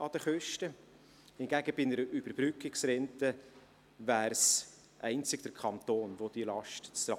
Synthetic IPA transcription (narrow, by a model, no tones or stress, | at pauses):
ɑd̥̪əχøʃtə | hɪnɡæɡəbɪnəɾʔyb̥əɾb̥ɾʏkːɪksɾɛntə | væːɾs | ʔɛɪnt͡sɪɡ̥̚d̥̪əɾkʰɑnt̪oːnvod̥̪ilɑʃtt͡sɾɑ